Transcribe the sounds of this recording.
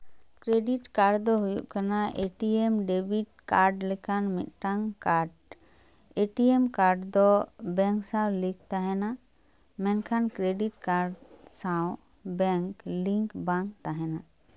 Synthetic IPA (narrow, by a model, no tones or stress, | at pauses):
kɾeɖiʈkaɾɖd̪ɔɦujṵʔkanaʔeʈiɛmɖebiʈ̚kaɾɖlɛkanmit̪̚ˀʈaŋkaɾɖ | eʈiɛmkaɾɖd̪ɔbɛŋksãwlik̚t̪aɦɛna | mɛnkʰankɾeɖiʈkaɾɖsaw | bɛŋkliŋkbaŋk̚t̪aɦɛna